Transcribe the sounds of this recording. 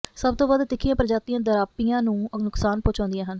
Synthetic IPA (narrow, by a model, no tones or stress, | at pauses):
səb̚t̪õːbaːd̪t̪ɪkʰːijãːpəɾəd͡ʒaːt̪iːãːd̪əɾaːpijãːnũːnʊksaːnpõːt͡ʃãːnd̪ijãːɦən